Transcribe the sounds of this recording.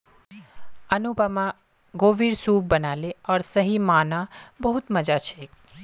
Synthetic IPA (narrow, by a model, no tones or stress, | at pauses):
ənubamã | ɡoʋiɾsuːbbːənaleɔːɾsəɦimaːnãbəɦut̪məd͡ʒat͡ʃʰe